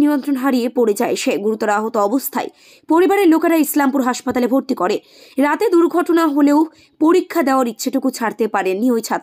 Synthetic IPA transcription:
niont̪ɾonɦaɾiepoɾed͡ʑaeʃeɡuɾut̪ːoɾaaɦot̪oɔbost̪ʰa̰e | poɾibaɾeɾlokaɾaislampuɾɦaʃpat̪alebʱoɾt̪ikoɾe | ɾat̪ed̪uɾɡʱɔʈonaɦoleo | poɾikʰːad̪eoaɾitːɕʰeʈukut͡ɕʰaɾt̪epaɾenːiojt͡ɕʰat̪

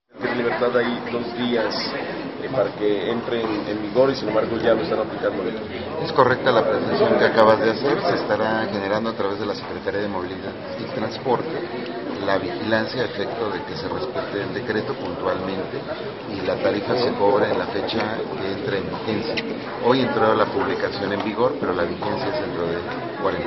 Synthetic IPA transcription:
keɾeliβeɾt̪aðajd̪o̞zd̪ias | paɾakeent̪ɾenembiɣo̞ɾisinembaɾɣo̞ʝaloest̪anaplikand̪oðena | e̞sko̞re̞k̚t̪alapɾesensjo̞ŋkeakaβazðe̞ase̞ɾse̞ːst̪aɾaxe̞ne̞ɾand̪o̞at̪ɾaβe̞zð̞e̞lase̞kɾe̞t̪aɾjað̞emo̞β̞iliðað | it̪ɾanspo̞ɾt̪e | laβ̞ixilansjaefe̞k̚t̪o̞ðe̞ke̞se̞respe̞t̪eːld̪e̞kɾe̞t̪o̞punt̪walmẽ̞nt̪e̞ | ilat̪aɾifase̞ko̞βɾeːnlafe̞t͡ʃakeent̪ɾaembixe̞nsja | o̞je̞nt̪ɾolapuβlikasjo̞ne̞mbiɣo̞ɾpe̞ɾo̞laβixe̞nsjaezent̪ɾo̞ðe | kwaɾen

